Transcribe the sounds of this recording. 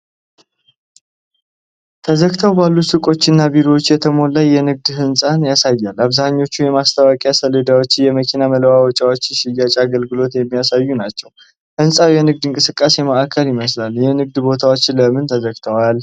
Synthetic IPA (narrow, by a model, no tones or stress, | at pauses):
t̪ʰəzəɡt̪ʰəwbalːusɨkʼo̞t͡ʃːɪnːabiɾowot͡ʃːjɛt̪ʰəmo̞lajːɛnɨɡ̚d̪hɨnsʼanjasajːalːaβzahaɲːo̞t͡ʃːujɛmast̪ʰəwakʼijasələd̪awo̞t͡ʃːɪjɛməkʰinamələwawɔt͡ʃʼawot͡ʃːɪʃɪjːat͡ʃʼaɡəlɡɨlo̞t̪jɛmːijasajːunat͡ʃːɛw | hɨnsʼawjɛnɨɡ̚d̪ɨŋkʼɨsɨkʼːaseməʔakʰːəlɪməslaljɛnɨɡ̚d̪bo̞t̪ʰawo̞t͡ʃːləmɨnt̪ʰəzəɡt̪ʰəwal